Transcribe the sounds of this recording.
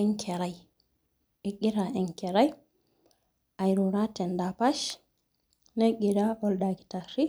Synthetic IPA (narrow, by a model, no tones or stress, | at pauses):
ɛŋkʰɛɾaj | ɛɡiɾaʔɛŋkɛɾaj | ʔajɾuɾatɛndapaʃ | neɡiɾaʔɔlɗaɡitaɾi